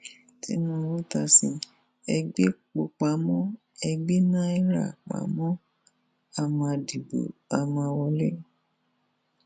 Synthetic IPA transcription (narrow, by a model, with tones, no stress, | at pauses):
tḭ˦nũ˦˧ɾu˦ta˧sĩ˧ | ɛ˧ɡ͡be˦k͡po˨k͡pa˨˦mɔ̃˦ | ɛ˧ɡ͡be˦nã˦i˦ɾa̰˦˨k͡pa̰˨˦mɔ̃˦ | a˧mã˧di˨bo̰˨a˧mã˧wɔ˧le˦